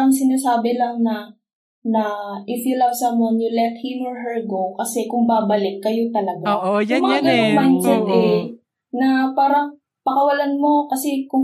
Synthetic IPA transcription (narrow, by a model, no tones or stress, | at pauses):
ɐŋsɪnaːsaːbɪlɐŋnɐ | nɐʔɪfilawsɐmonjʊlɛt̪̚hɪmoɹɦɛɹɡo̞wkɐsɛkʊŋbaːbɐlɪkːɐjo̞t̪ɐlɐɡajmɐŋaɡɐnaŋmajnd͡ʒɛnt̪ɛ | nɐpaːɾɐŋ | pɐkɐwɐlanmo̞kɐsɛkʊŋ